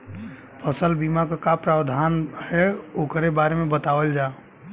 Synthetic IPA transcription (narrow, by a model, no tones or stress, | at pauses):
pʰəsəlbimakakapɾawd̪ʱanhɛokɾebaɾemebət̪aʋəld͡ʒa